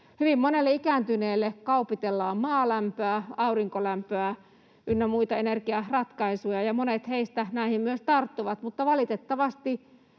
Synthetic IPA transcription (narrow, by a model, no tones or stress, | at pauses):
hyʋimːonelːeikæːnt̪yneːlːekɑupit̪elːɑːmmɑːlæmpøæɑuriŋkolæmpøæ | ʔynːæmuit̪ɑenerkiɑrɑt̪kɑisujɑjɑmonet̪heist̪ænæˑihimmyøst̪ɑrt̪ːuʋɑt̪mut̪ːɑʋɑlit̪et̪ːɑʋɑst̪i